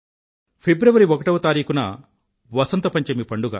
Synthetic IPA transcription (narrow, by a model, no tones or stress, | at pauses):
pʰebɾɐʋɐɾiɔkɐʈɐʋɐt̪aːɾiːkunɐ | ʋɐsɐnt̪ɐpɐɲt͡ʃɐmipɐɳɖuɡa̰ː